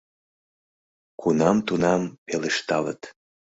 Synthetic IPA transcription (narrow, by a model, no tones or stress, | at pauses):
kunɑmt̪unɑmpeleʃt̪ɑlə̰t̪